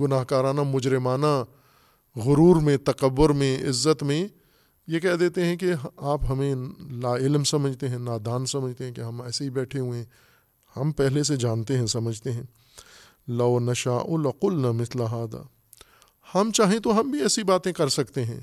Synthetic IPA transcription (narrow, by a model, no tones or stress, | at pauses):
ɡʊnaːɦkaːɾaːnamʊd͡ʒɾɪmaːna | ɣʊɾuːɾmẽt̪ɐqəbːʊɾmẽɪ̰zːət̪mẽ | jekɛɦd̪eːt̪eɦɛ̃keɦaːpɦɐmẽlaːɪlmsɐməd͡ʒʱt̪eɦɛ̃naːd̪aːnsɐməd͡ʒʱt̪eɦɛ̃keɦɐmɛːseɦibɛːʈʰeɦuẽ | hɐmpɛɦles̬ed͡ʒaːnt̪eɦɛ̃sɐməd͡ʒʱt̪eɦɛ̃ː | lɐːnɐʃaːʔõlɐqʊlnɐmɪslaɦaːd̪a̰ː | hɐmt͡ʃaːɦẽt̪oɦɐmbʱiɛːsibaːt̪ẽkɐɾsɐkt̪eɦɛ̃ː